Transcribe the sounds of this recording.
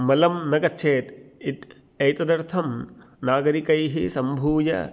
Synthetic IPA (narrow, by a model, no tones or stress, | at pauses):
mɐlɐmnɐɡɐtːt͡ʃʰeːt̪it̪ | ɐjt̪ɐd̪ɐɾt̪ʰɐm | naːɡɐɾikɐjɦisɐmbʱuːjɐ̰